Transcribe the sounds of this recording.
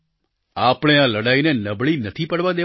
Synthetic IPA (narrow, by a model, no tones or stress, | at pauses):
apəɽ̃ealəɽainenəbɭinət̪ʰipəɽʋãd̪e